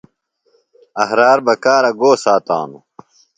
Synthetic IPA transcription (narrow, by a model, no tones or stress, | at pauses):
ɐɦɾaːɾbɐkaːɾɐɡoːsaːt̪a̰ːnu